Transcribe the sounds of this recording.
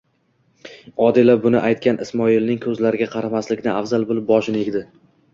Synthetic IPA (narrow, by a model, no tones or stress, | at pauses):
ɒd̪ɪlabʊnɪʔajt̪̚kʲʰanʔɪsmɒɪlnɪŋkʲʰɵzlaɾɪɡʲaqʰɑɾamaslɪkʲnɪafzalˠbolɪp̚bɒʃɪne̞ɡʲd̪ɪ